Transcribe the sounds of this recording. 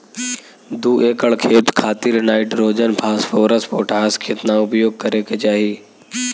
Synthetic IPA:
d̪uːʔeːkəɭkʰeːt̪kʰaːt̪ɪɾnaːɪʈɾoːd͡ʒənpʰaːsfoːɾəspoːʈʰaːskʰeːt̪naʊpjoːɡ̚kɐɾeket͡ʃaːɦiː

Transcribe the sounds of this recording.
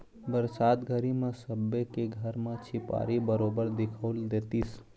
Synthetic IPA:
bəɾsaːt̪ɡʱəɾimẽsəbekeɡʱəɾmẽt͡ʃʰɪpa̰ːɾibəɾoːbəɾd̪ɪkʰəʊld̪eːt̪is

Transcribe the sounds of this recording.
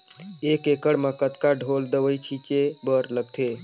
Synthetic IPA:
ekekəɽmekət̪kaɖʱold̪əʋəjt͡ʃʰit͡ʃebəɾləɡ̚t̪ʰe

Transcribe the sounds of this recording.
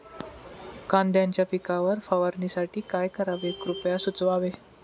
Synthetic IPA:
kãnd̪jãɲt͡ɕjapikaʋəɾfaʋəɾnisaʈʰiːkajkəɾaʋekɾupjasut͡sʋaʋe

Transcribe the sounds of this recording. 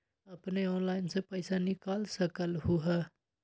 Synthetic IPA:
əpneɔːnlaːɪnsepəɪsanikaːlsəkəlɦʊɦa

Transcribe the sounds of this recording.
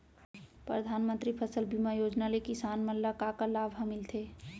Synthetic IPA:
pɾəd̪ʱanmənt̪ɾipʰəsəlbimajod͡ʒnalekisanməlːakakəlabʱɦəmilt̪ʰe

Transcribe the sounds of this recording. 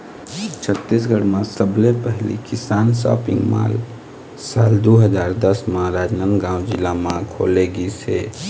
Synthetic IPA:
t͡ʃʰət̪ːis̬ɡəɽmãsəblepəɦlḭkɪsaːnsɔ̰ːpɪ̰̃ŋɡma̰ːl | saːld̪oɦəd͡ʒaːɾd̪əsmãɾaːd͡ʒnənɡãːʊ̃d͡ʒɪlːamãkʰo̰ːleɡise

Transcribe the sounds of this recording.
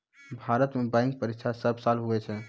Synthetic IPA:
bʱaɾət̪mebãjŋk̚pəɾikt͡ʃʰasəbʱsalɦuɛt͡ʃʰɛ

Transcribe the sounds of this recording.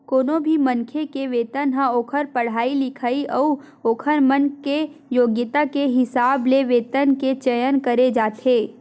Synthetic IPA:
koːnõbʱimɐ̃nkʰekeʋeːt̪ənɦãoːkʰəɾpɐɽ̤aːilɪkʰaːiʔɔu | oːkʰəɾmənkejoːɡjət̪akeɦɪsaːbleʋeːt̪ənket͡ʃəjənkəɾed͡ʒaːt̪ʰeː

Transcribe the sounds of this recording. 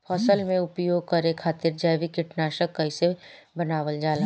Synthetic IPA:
pʰɔːsəlmẽʊpjoːɡ̚kɐɾekʰaːt̪ɪɾd͡ʒajʋikɪʈnaːʃəkːɐise | bɐnaːʋəld͡ʒaːla

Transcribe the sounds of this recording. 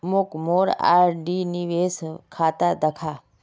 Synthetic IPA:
mʊkmoːɾa̰ːɾɖiniʋeːskʰaːt̪ad̪əkʰa

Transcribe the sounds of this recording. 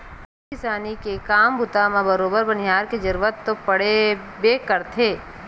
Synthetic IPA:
ɪsaːnikekaːmbʱʊt̪amãbəɾoːbəɾbɐnɪɦaːɾked͡ʒɐɾʋət̪ːopɐɽe | bekəɾt̪ʰeː

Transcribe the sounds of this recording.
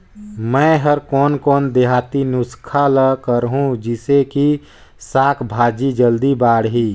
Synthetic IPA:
mɛ̃ːɦəɾkɔːnkɔːnd̪eɦaːt̪inʊskʰaləkəɾɦũd͡ʒɪseki | saːkʰbʱaːd͡ʒid͡ʒəld̪ibaːɽɦiː

